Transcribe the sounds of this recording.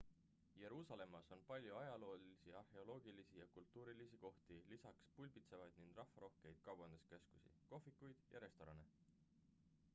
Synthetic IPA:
je̞ɾuːsɑle̞mːɑso̞npɑlʲjuɑjɑlo̞ːliisiɑrhe̞o̞lo̞ːɡilisijɑkult̪ˑːuːɾilisiko̞ht̪ilisɑkspulʲbit̪se̞vɑjd̪̥nind̥̪rɑhfːɑɾo̞hke̞jd̪̥̚kɑwbɑnd̪̥eske̞sku̥sḭko̞fikːˑujd̪̥jɑ̰ɾe̞st̪o̞ɾɑne̞

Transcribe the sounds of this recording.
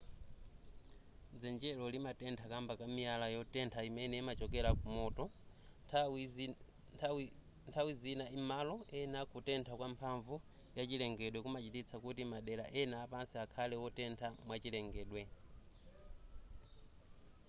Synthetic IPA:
d͡zɛnd͡ʒɛlɔlimatɛntʰakambakamialajɔtɛntʰaimɛnɛimat͡ʃɔkɛɾakumɔtɔ | ntʰawizinaimalɔɛnakutɛntʰakwampʰaɱvu | jat͡ʃilɛŋɡɛɗwɛkumat͡ʃitit͡sʰakutimaɗɛlaʔɛnaːpansiakʰalɛwɔtɛntʰamwat͡ʃilɛŋɡɛːɗwɛ

